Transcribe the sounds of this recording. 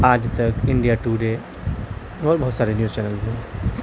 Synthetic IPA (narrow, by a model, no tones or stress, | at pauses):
aːd͡ʒt̪əkiɳɖijaʈuɖe | ɔɾbɐɦut̪saːɾenjuːzt͡ʃɛnəlzẽ